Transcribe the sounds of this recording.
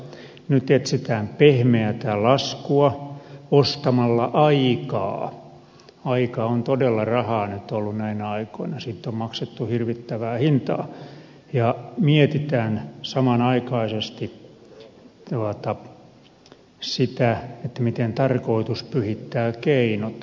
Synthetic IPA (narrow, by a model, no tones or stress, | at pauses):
nyt̪et̪sit̪æːmpehmeæt̪ælɑskuɑost̪ɑmɑlːɑʔɑikɑ̰ː | ɑikɑont̪odelːɑrɑhɑːnyt̪olːunæinæɑikoinɑsiːt̪ːommɑkset̪ːuhirʋit̪ːæʋæːhint̪ɑ̰ː | jɑmiet̪it̪æːnsɑmɑnɑikɑisest̪i | t̪uɑt̪ɑ | sit̪æet̪ːæmit̪ent̪ɑrkoit̪uspyhit̪ːæːkeinot̪